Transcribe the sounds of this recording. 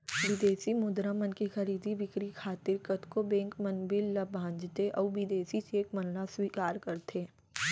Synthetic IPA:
ʋɪd̪eːsimʊd̪ɾamənkixɐɾiːd̪ʱiʋɪkɾikʰaːt̪ɪɾkət̪kobɛ̃ːŋkmənbɪlːɐbʱãːnd͡ʒt̪eʔɔːʋɪd̪eːsit͡ʃeːkmɐnlaswiːkaːɾkɐɾt̪ʰeː

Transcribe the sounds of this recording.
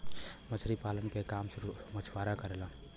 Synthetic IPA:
mət͡ʃʰɾipaːlənkekaːmsʊɾumət͡ʃʰwaːɾakəɾela

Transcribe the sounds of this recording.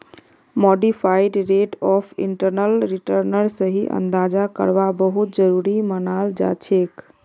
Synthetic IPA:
moɖipʰaiɖɾeʈɔpʰḭɳʈəɾnəlɾiʈəɾnəɾsəɦiʔə̰nd̪ad͡ʒakə̰ɾbabəɦut̪̚d͡ʒəɾuɾimənald͡ʒa̰t͡ʃʰek

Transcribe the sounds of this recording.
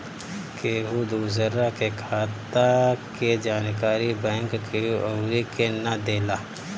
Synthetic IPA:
keːɦud̪uzəɾakekʰaːt̪aked͡ʒaːnkaːɾibɛ̃ːŋkkioːɾikenad̪eːlaː

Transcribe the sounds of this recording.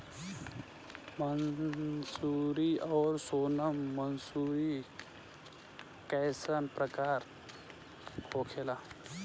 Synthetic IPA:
mənsuɾiɔːɾsoːnəmːənsuɾi | kɛjsənpɾəkaːɾ | hoːkʰelaː

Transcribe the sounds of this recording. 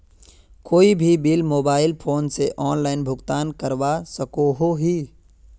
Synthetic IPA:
koːibʱibilmoːbaːɪlpʰoːnseʔɔːnlaːɪnbʱʊɡt̪aːnkəɾwasəkoɦoɦiː

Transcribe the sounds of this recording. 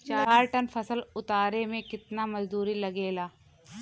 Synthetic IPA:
t͡ʃaːɾaːɾʈɐnfʰɐsəlʊt̪aːɾemẽkɪt̪namɐd͡ʒd̪uːɾilɐɡeːlaː

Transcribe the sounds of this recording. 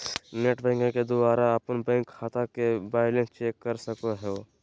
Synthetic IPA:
neʈbɛ̃ŋkõked̪ʊbaːɾaɐpənbɛ̃ŋkʰːaːt̪akebaːɪlẽnst͡ʃeːkːəɾsəkoɦɛo

